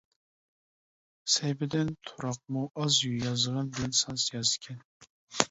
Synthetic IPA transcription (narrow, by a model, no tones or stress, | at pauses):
sɛjbɪd̪ɪnt̪ʰuɾɑq̚muʔɑzjyjɑzəʁɑnbɪlɛnsɑnsjɑzɪ̥kʲʰɛn